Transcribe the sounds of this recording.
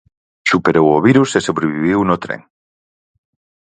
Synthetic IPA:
ʃupeɾowoβiɾusesoβɾeβiβ̞iwnot̪ɾḛŋ

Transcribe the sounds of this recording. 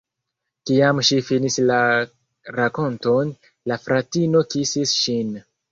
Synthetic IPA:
kiamʃifinisla | ɾako̞nton | lafɾatino̞kisisʃin

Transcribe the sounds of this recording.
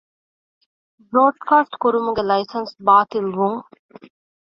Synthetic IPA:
bɾoːɖkaːsʈkuɾumuɡelɐjsɐnsbaːt̪ilʋuŋ

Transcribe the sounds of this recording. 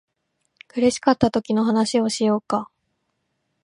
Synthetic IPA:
kɯ̟ɾe̞ɕi̥kat̪ːat̪o̞kʲino̞ɦanaɕio̞ɕijo̞ːka

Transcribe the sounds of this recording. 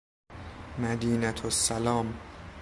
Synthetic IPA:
mæd̪iːnæt̪ʰosːælɒːm

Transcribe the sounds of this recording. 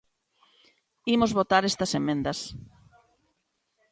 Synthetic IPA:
imozβot̪aɾest̪ɐsemẽnd̪ɐs

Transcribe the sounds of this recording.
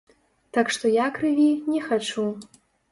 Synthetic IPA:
t̪akʂt̪ɔjakɾɨvʲinʲɛxat͡ʂu

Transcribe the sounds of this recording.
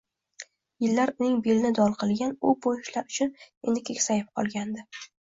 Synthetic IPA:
jɪlːaɾʊnɪŋbelɪnɪd̪ɒlˠqʰɨlˠɡʲanʊbojɪʃlaɾʊt͡ʃʰʊne̞nd̪ɪkʲʰekʲsajɪp̚qʰɒlˠɡʲand̪ɪ

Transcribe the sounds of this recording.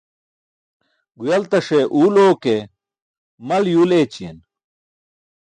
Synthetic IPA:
ɡujɐlt̪ɐʂeʔuːloːke | mɐljuːleːt͡ɕijḛn

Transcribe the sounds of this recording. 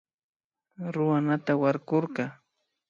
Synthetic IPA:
ɾʊwanat̪awaɾkoɾɢɑ

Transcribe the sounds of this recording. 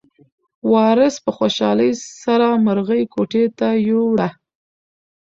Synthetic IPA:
wɑɾəspəxoʃɑləjsaɾaməɾɣəjkoʈet̪ajowɽa

